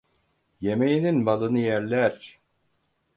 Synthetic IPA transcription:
je̞mejininbalˠɯnɯjæɾlʲæɾ

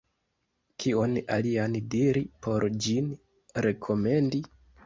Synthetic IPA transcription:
kʰio̞na̰liandiɾipʰo̞ɾd͡ʒin | ɾe̞kʰo̞me̞ndi

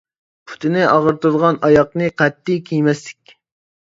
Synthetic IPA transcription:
pʰʊ̥t̪ʰɪnɪʔɑʁəɾt̪ud̪ʁɑnɑjɑqnɨqʰɛt̪ːijkʲʰijmɛslɪkʲ

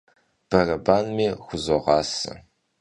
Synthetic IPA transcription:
b̥ɐrɐbaːnmiːxʷʊzoʁɑːsɐ̰

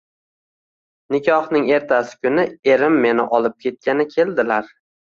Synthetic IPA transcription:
nɪkʲʰɒhnɪŋe̞ɾt̪ʰasɪ̥kʲʊnɪe̞ɾɪmːe̞nɪ̰ʔɒlˠɪp̚kʲʰe̞t̪̚kʲanɪkʲʰe̞ld̪ɪlaɾ

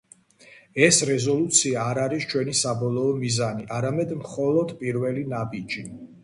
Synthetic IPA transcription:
ɛsɾɛzɔlˠut̪sʰiaːɾaɾist͡ʃʰwɛnisabɔlˠɔːmizaniʔaɾamɛd̪mχɔlˠɔd̪pʼiɾvɛlinabid͡ʒi

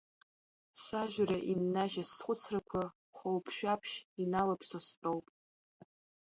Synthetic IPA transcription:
saʒʲʷᶣraʔinːaʒasχʷʊt͡sʰrakʷʰa | χʷowpʰʃᶣapʰʃinalapʰsost͡pʼowpʼ

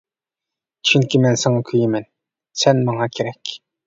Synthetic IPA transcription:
t͡ʃʰyŋkʲʰimɛnsɑŋɑkʲʰyjimɛn | sɛnmɑŋɑkʰʲeɾɛkʲ

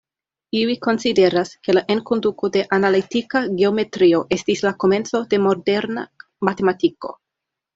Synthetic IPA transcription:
iliko̞nside̞ɾaske̞laʔeŋkond̪ukode̞ʔanalit̪ikaɡe̞ome̞t̪ɾio̞ʔe̞stislako̞me̞nt͡so̞d̥e̞mo̞de̞ɾna̰ | mat̪e̞mat̪iko̞̰

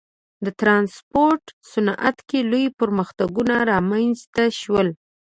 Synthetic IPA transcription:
d̪ət̪ɾɑnspoɾʈsʊnʔa̰t̪kelojpəɾməxt̪aɡunaɾɑmanzt̪aʃwəl

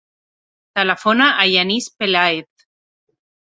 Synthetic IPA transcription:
t̪alafonaʔajanispelaet̪

